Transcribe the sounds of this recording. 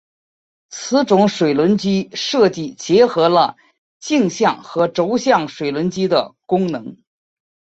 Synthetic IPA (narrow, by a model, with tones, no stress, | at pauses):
t͡sʰɹ̩˧˥ʈ͡ʂʊ˧˥ŋʂwe˨˩ɪlwə˧˥nt͡ɕi˥ʂɤ˥˧t͡ɕi˥˩t͡ɕjɛ˧˥xɤ˧˥lə˧ | t͡ɕi˥˧ŋɕjɑ˥˩ŋxɤ˧˥ʈ͡ʂo˧˥ʊɕjɑ˥˩ŋʂwe˨˩ɪlwə˧˥nt͡ɕi˥d̪ə˨kʊ˥ŋnɤ˧˥ŋ